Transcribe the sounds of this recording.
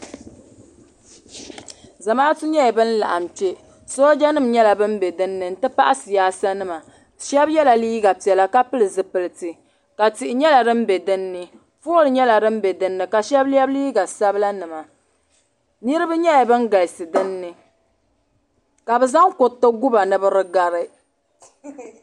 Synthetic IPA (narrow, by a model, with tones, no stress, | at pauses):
za˨maː˦tu˦ɲɛ˦a˨bɨ˦n̩˦la̰˨ʔa˨m˨t͡ʃe˦ | sɔ˦d͡ʒa˦nɨ˦˨m˦ɲɛ˦la˨bɨ˦m˦bɛ˨dɨ˦nːɨ˨n̩˦tɨ˦pa̰˦ʔa˦sɨ˨jaː˦sa˦nɨ˦ma˨ | ʃɛ˦bjɛ˦la˨liː˦ɡa˨pi˨ɛ˨la˦ka˦pɨ˦lɨ˨zɨ˨pɨ˨lɨ˨tɨ˨ | ka˨ti˨ʔɪ˨ɲɛ˦la˨ɾɨ˦m˦bɛ˨dɨ˦nːɨ˦ | fo˦ɾɨ˨ɲɛ˦la˨dɨ˦m̩˦bɛ˨dɨ˦nːɨ˨ka˨ʃɛ˦blɛ˦bliː˦ɡa˨sa˦bɨ˦la˦nɨ˨ma˨ | nɨ˦ɾɨ˦bɨ˦ɲɛ˦ja˨bɨ˦n˦ɡa˨ɪ˨sɨ˨dɨ˦nːɨ˨ | ka˨bɨ˨za˦ŋko˨tːɨ˦ɡu˦ba˨nɨ˨bɨ˦ɾɨ˦ɡa˨ɾɨ˦